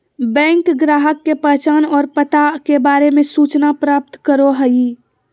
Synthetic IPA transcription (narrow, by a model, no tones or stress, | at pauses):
bɛ̃ŋkɡɾaːɦəkːepət͡ʃaːnɔːɾpət̪akebaːɾemesut͡ʃnapɾaːp̚t̪kəɾoɦəi